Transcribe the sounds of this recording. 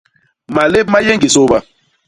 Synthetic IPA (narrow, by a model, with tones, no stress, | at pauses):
ma˨le˦p̚ma˦je˦ŋɡi˨so˦ba˦